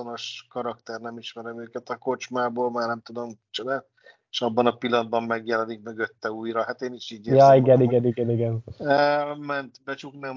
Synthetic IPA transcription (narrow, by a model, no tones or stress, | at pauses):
ono̞ʃkɒɾɒkt̪ɛrnɛmiʃmɛɾɛmøːkɛt̪ɒko̞t͡ʃmaːboːlmaːrnɛmt̪ud̪o̞mt͡ʃonaːt̪ | eʃɒbːɒnɒpilːɒnd̪̚bɒmːɛɡjɛlɛnik̚møɡøt̪ːɛuːjɾɒhat̪eːniʃiːɟeːjɒiɡɛniɡɛniɡɛniɡɛn | mɛnt̪bɛt͡ʃuknɛm